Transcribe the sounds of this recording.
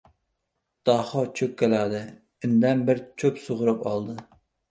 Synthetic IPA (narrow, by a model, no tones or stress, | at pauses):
d̪̥ɑχɑt͡ʃʰøkʲkʲːɛlæd̪ɨ | ɪnd̪ɛnbɪɾt͡ʃʰøpsoʁʊɾɨpɑ̰lˠd̪ɨ